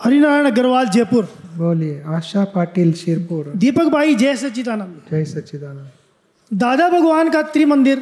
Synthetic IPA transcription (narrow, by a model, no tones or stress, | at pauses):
həɾinaɾəɳ̃ɡəɾʋald͡ʒepuɾboljeaɕapaʈiːlɕiɾpuɾd̪ipəkbʱaid͡ʒejsət͡ɕit̪anad͡ʒejsət͡ʃit̪ana | d̪aːd̪abʱəɡʋankat̪ɾiːmənd̪iɾ